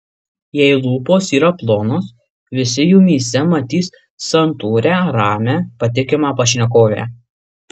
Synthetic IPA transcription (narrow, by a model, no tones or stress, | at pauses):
jɛɪlˠuːpoːsiːɾɐplˠoːnoːs | ʋʲɪsʲɪjuːmʲiːsʲɛmɐt̪ʲiːs | sɐnt̪uːɾʲæːɾɑːmʲæːpɐt̪ʲɪkʲɪmɑːpɐʃʲnʲɛk̬oːʋʲæ̰ː